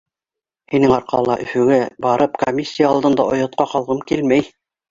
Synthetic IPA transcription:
hinɘŋɑɾqɑ̰lˠɑ̰ʔɵ̆fɵ̆ɡæbɑɾɤpkomʲisʲːijaɑlˠd̪ɤ̆nd̪ɑ̰ʔŏjɑ̆t̪̚qɑqɑlˠʁɤmkilmæj

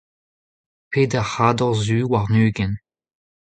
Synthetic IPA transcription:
pʰeːdɛʁhaːdɔʁzyːwaʁnyːɡɛn

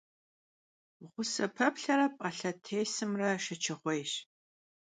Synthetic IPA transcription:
ʁʷʊsɐpʰɐpɬɐɾɐpʼɐɬɐtʰeːjsɨmrɐʃɐt͡ʃʰɪχʷejɕ

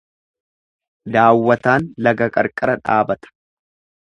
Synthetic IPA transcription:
d̪aːwːɐt̪aːnlɐɡɐkʼɐɾkʼɐɾɐᶑa̰ːbɐt̪ɐ̥

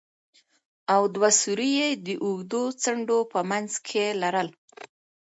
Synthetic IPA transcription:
awd̪wasuɾijed̪əʔʊɡd̪ot͡səɳɖopəmanzkʰelaɾəl

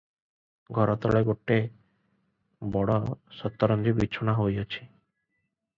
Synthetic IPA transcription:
ɡʱɔɾɔt̪ɔɭeɡoʈːe | bɔɽɔsɔt̪ːɔɾɔnd͡ʒ̪ibitːt͡ʃʰonaɦojɔt͡ʃʰi̥

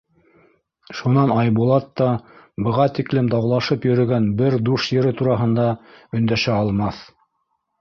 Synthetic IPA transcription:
ʃunɑnɑjbulˠɑt̪ːɑ | bɤ̆ʁɑt̪iklɘmd̪ɑwlˠɑʃɤpjɵ̆ɾɵ̆ɡænbɘɾd̪uʃjɘ̆ɾɘt̪uɾɑɦɤ̆nd̪ɑɵ̆nd̪æʃæɑlˠmɑθ

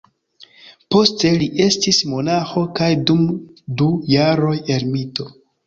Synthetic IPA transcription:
po̞ste̞liʔe̞stismo̞naxo̞kajdumdujaɾo̞je̞ɾmito̞

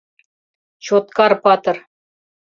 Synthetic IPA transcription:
t͡ɕot̪̚kɑrpɑt̪ɤ̆r

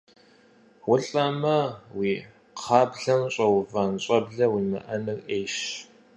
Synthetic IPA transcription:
wʊɬʼɐmɐwiː | qʰɑːbɮɐmɕʼɐwʊvanɕʼɐbɮɐwiːmɐ̰ʔɐnɨrʔeːʃ

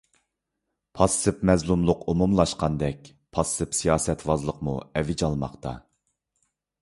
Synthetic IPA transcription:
pʰɑsːɨpmɛzlˠumlˠʊqomumlˠɑʃqɑnd̪ɛk̚ʲ | pʰɑsɨpsijɑːsɛt̪ʰwɑzlˠəqmuɛvɪd͡ʒɑlˠmɑ̰qt̪ʰɑ

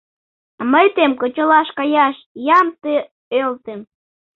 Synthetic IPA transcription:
məjt̪emkot͡ɕolɑʃkɑjɑʃ | jɑmt̪e | ølt̪em

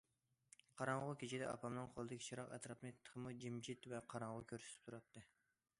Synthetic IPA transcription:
qʰɑɾɑɴʁʊkʲet͡ʃʰid̪ɛ̰ʔɑ̰pʰɑmnɨŋqʰolˠɨd̪ɪkʲi̥t͡ʃʰiɾɑqɛ̰t̪ɾɑpmet̪ʰːə̥qʰmud͡ʒimd͡ʒit̪vɛqʰɑɾɑɴʁʊkʲʰøɾsɪ̥t̪ɪ̥p̚t̪ʰuɾɑt̪ːɨ

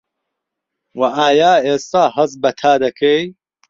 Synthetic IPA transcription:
wɐʔaːjaːeːst̪aːɦɐzbɐt̪ʰaːd̪ɐkʰej

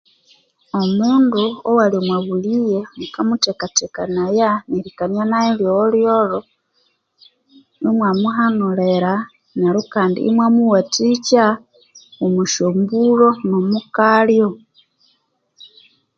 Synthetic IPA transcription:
omuːnduowalimwaβulijemukamutekatekanajaniɾikanjanaeljoljoɾo | nimwamuɦanuleɾa | naɾukaːndḭːmwamuwatica | omuʃombulonomukaljo

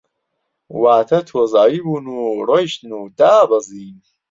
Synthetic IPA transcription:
waːt̪ʰɐt̪ʰozaːibuːnuɾɔjʃt̪nuːd̪aːbɐziː

